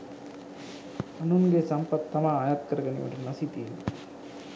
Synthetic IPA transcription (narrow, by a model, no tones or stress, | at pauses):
ɐnunɡeːsɐmpɐt̪ːɐmaːaːjat̪̚kɐɾɐɡɐnḛjo̰ɳrnɐsit̪iːn